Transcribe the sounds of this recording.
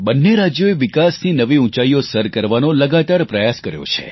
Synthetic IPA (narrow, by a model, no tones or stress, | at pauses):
bənːeɾad͡ʒjoeʋɪkasninəʋiũt͡ʃaiosəɾkəɾʋanoləɡat̪aɾpɾəjaskəɾjo̰t͡ʃʰḛ